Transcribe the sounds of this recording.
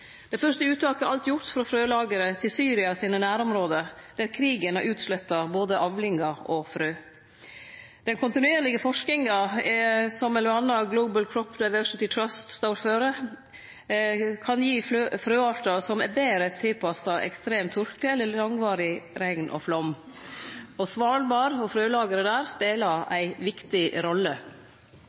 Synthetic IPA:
d̪ɛfœʂʈəʉːt̪ɑːkəʔɑlt̪jʊɾʈ̪fɾɑfɾøːlɑːɡəɾət̪ʰɪlsyːɾɪɑsiːnənæːɾɔmɾoːd̪əd̪̥æɾkʰɾiːɡənɑɾʔʉːt̪slœt̪ːɑboːd̪əʔɑʋlɪŋɑɔfɾøː | d̪̥ɛnkʰʊnt̪ɪnʉeːɾlɪɡəfɔʂknɪŋɑɛsɔmɛlʊɑnːɑɡloʊbəlkʰɾɔpd̪aɪʋœɹsɪt̪ɪt̪ʰɹɑst̪st̪ɑʊɾføːɾə | kʰɑnjiːfɾøːɑːʈɑsɔmɛbeːɾət̪ʰɪlpʰɑsɑʔɛ̰kst̪ɾeːmt̪ʰːʊɾkt̪əɛlːəlɑŋʋɑːɾɪɾɛŋnʔɔ̰flɔmː | ɔsʋɑːlbɑːɾɔfɾøːlɑːɡəɾəd̪æːɾspeːlɑæ̰ɪʋɪkt̪ɪɾɔlːə

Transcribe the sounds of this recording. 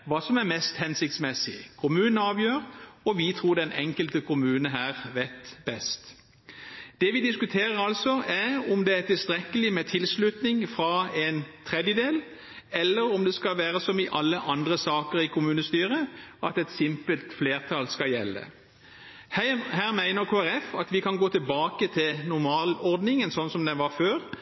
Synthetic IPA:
ʋɑːsɔmæʁmɛst̪hɛnsɪk̚t̪smɛsɪkʰʊmʉːnəɑːʋjøːʁɔʋɪt̪ʰʁuːd̪ɛnɛŋkəlt̪əkʰʊmʉːnəɦæːʁʋɛt̪bɛst̪ | d̪̥ɛʋɪd̪ɪskʉt̪ʰeːʁəɾɑlsɔæʁɔmd̪ɛæt̪ɪlst̪ʁɛkːəlɪmɛt̪ʰɪlslʉt̪nɪŋfʁɑɛnt̪ʰʁɛd̪jəd̪eːl | ɛlːəʁɔmd̪ɛskɑʋæːʁəsɔmɪʔɑlːəʔɑnd̪ʁəsɑːkəʁɪkʰʊmʉːnəst̪yːʁəʔɑt̪ɛt̪sɪmpəlt̪fleːʁt̪ʰɑlskɑjɛ̰lːə̰ | hæhæːʁmæɪnəʁkʰoːæɾʁɛfɑt̪ʋɪkʰɑnɡoːt̪ʰɪlbɑːkət̪ʰɪlnʊʁmɑːlɔʁd̪nɪŋənsɔnsɔmd̪ɛʋɑføːʁ

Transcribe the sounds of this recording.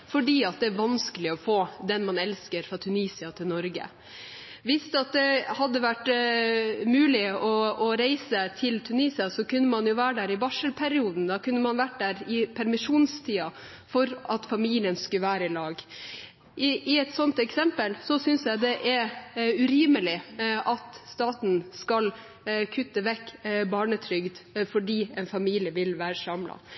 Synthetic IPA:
fɔɖiːɑt̪̚d̪ɛæɾʋɑnskəlɪɔfoːd̪ɛnmɑnɛlskəɾfɾɑt̪ʰʉniːsɪɑt̪ʰɪlnɔɾɡə̰ | ʋɪst̪ɑt̪̚d̪ɛhɑd̪ːəʋæʈː | mʉːlɪɔɔɾæɪsət̪ʰɪlt̪ʰʉniːsɪɑsɔkʉnːəmɑnjʊʋæːɖæɾɪbɑʂəlpʰɛɾɪuːd̪n̩d̪ɑkʉnːəmɑnʋæʈ̚ːd̪æːɾɪpʰæɾmɪʂuːnst̪ʰiːɑ | fɔɾɑt̪fɑmiːlɪənskʉəʋæːɾəɪlɑːɡ | ɪɪɛt̪sɔnt̪ɛksɛmpəlsɔsʏnsjæɪd̪ɛʔɛʉɾiːməlɪʔɑt̪st̪ɑːt̪n̩skɑl | kʰʉt̪ːəʋɛkːbɑːɳət̪ʰɾʏɡd̪fɔɖiːɛnfɑmiːlɪəʋɪlʋæːɾəsɑmlɑ̰

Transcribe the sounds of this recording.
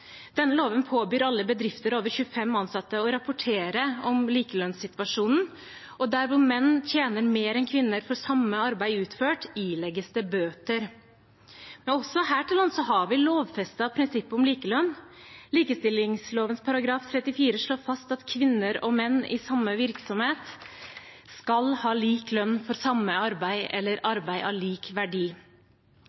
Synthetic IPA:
d̪̥ɛnːəloːʋənpʰoːbyːɾɑlːəbəd̪ɾɪft̪əɾoːʋəɾçʉːəfɛmːɑnsɑt̪ːəɔɾɑpʊʈʰeːɾəɔmliːkəlœnsɪt̪ʋɑʂuːnn̩ | ʔɔd̪æɾʋʊmɛnːt̪ʰjeːnəɾmeːɾɛnkʰʋɪnːəɾfɔɾsɑmːəɑɾbæɪʉːt̪føːʈiːlɛɡːəst̪əbøːt̪əɾ | mɛnɔsːɔɦæːʈɪlɑnsɔɦɑɾʋɪloːʋfɛst̪ɑpʰɾɪnsɪpːʊmliːkəlœnːliːkəst̪ɪlːɪŋsloːʋənspʰɑɾɑɡɾɑːft̪ʰɾɛt̪ːɪfiːɾəʂɭoːfɑst̪ɑt̪kʰʋɪnːəɾɔmɛnːɪ̰sɑmːəʋɪɾksɔmheːt̪ | skɑlhɑːliːklœnːfɔɾsɑmːəɑɾbæɪʔɛlːəɾɑɾbæɪʔɑliːkʋæɖiː

